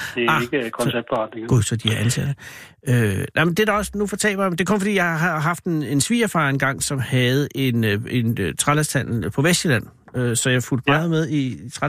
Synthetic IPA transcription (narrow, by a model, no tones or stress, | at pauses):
d̥eɑeɡ̥əkʰɔnseb̥̚d̥fʁɑd̥neŋɡuðˠsɒd̥iæʔænsæd̥ə | ønʔamend̥ed̥ɑ̈ɒ̽snufɒ̽t͡sʰɛ̰ːb̥ɐjmnd̥e̝kʰɔ̽nfɒ̽dḭːjɑ̈hɑ̈ɦɑɦɑ̈fd̥e̝ne̝nsʋḭːɐfɑ̈enɡ̥ɑ̈ŋ̰sɒ̽mhæð̞̩ˠe̝ne̝nøt͡sʰʁalæst͡sʰæn̰l̩pʰɒ̽ʋesd̥əlæn̰ | øsɒ̽jɑ̈fuld̥mɑ̈ð̩ˠmeð̞ˠit͡sʰʁɑ